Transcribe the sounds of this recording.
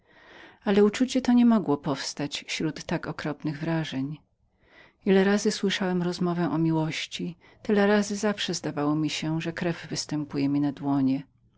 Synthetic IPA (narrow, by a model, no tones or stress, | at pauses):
alɛut͡ʂut͡ɕɛt̪ɔɲɛmɔɡwɔpɔfst̪at͡ɕɕɾut̪ːakɔkɾɔpnɘɣvɾaʐɛɲ | ilɛɾazɘswɘʂawɛmɾɔzmɔvɛʔɔmʲiwɔɕt͡ɕi | t̪ɘlɛɾazɘzafʂɛzd̪avawɔmʲiɕɛʐɛkɾɛvːɘst̪ɛmpujɛmʲinad̪wɔɲɛ